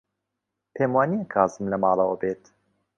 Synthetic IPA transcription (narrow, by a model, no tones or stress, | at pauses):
pʰeːmwɑːnijɛkʰɑːzɨmlɛmɑːlˠɑwəbeːt̪